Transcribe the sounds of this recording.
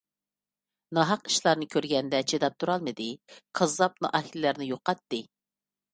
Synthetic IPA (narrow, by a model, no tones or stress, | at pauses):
nɑɦɑqi̥ʃlˠɑɾnɨkʲʰøɾɡʲɛnd̪ɛt͡ʃʰed̪ɑp̚t̪ʰuɾɑlˠmɨd̪ɨqʰɑzɑp̚nɑ̰ʔɑhillæɾnɪjoqːɑt̪ːɨ